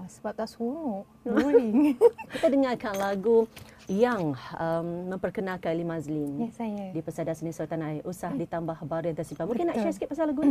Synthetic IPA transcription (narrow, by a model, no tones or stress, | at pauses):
səbap̚t̪asunʊʔ | liŋkit̪adəŋarkanlaɡu | jaŋəmːə̃mpərkənãkanlimãzlɪnjsajadipəsadasənisawat̪anaiʔusahdit̪ambahbaɾujaŋt̪ərsimpat̪̚mũkɪnːãʔʃaskip̚ːasalaɡun